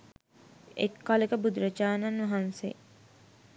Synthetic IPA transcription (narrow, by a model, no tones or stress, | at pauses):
ḛkːalekəbud̪uɾɐd͡ʒaːnɐnʋɐɦansḛ